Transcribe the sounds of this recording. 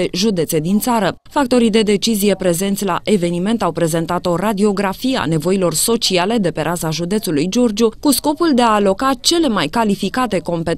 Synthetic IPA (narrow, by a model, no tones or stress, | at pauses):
eʒud̪e̞t̪se̞d̪int̪saɾə | fak̚t̪o̞ɾid̪e̞d̪e̞t͡ʃizijepɾe̞ze̞nt̪sʲla̰ʔe̞ve̞nime̞nt̪awpɾe̞ze̞nt̪at̪o̞ɾad̪io̞ɡɾafiea̰ne̞vo̞ilo̞rso̞t͡ʃiale̞d̪e̞pe̞ɾʔazaʒud̪e̞t̪sulujd͡ʒo̞rd͡ʒukusko̞puld̪e̞aːlo̞kat͡ʃe̞le̞majkalifikat̪e̞ko̞mpe̞